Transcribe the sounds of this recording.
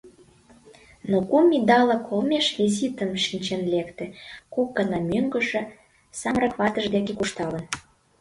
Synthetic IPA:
nokumʲid̪ɑlɑkʰolmeʃvʲizit̪əmʃinʲt͡ɕenlekt̪ĕkok̚ɡənɑmøŋɡə̆ʒĕ | sɑmrɑkβɑt̪əʒd̪ekekuʃt̪ɑlə̆n

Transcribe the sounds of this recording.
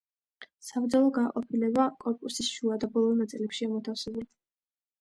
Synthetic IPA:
savd̪zalˠɔɡaqʼɔpʰilɛbakʼɔɾkʼusisʃuad̪abɔlˠɔnat̪sʼilɛpʃiamɔt̪ʰafsɛbɛ

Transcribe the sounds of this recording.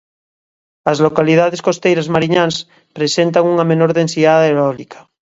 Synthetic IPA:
azlokaliðaðeskost̪ejɾazmaɾiɲãns | pɾesent̪̬aŋuŋamenoɾðensiaðaeɾɔlikʰḁ

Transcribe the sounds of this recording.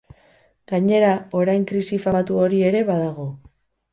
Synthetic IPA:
ɡ̥aɲe̞ɾao̞ɾajŋkɾisifat̪uo̞ɾie̞ɾe̞βaðaɣ̞o̞

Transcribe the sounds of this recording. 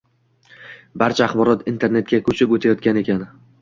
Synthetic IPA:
baɾt͡ʃʰaːχbɒɾɒt̪int̪ʰe̞ɾne̞t̪̚kʲakʰɵt͡ʃʰɪkot̪ʰajɒt̪̚kʲane̞kʲʰan

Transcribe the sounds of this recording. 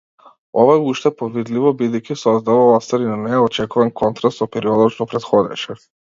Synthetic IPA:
ɔvajuʃt̪ɛpɔvid̪livɔbid̪ɛjkisɔzd̪avalˠast̪aɾinanɛɔt͡ʃɛkuvankʰɔnt̪ɾast̪sɔpɛɾiɔd̪ɔʃt̪ɔpɾɛt̪xɔd̪ɛ̰ʃɛ

